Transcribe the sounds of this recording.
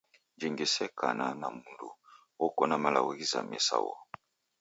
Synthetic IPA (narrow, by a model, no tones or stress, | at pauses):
d͡ʒiŋɡisɛkananamundu | ɔkɔnamalawɔɣiza̰mɛsa̰wɔ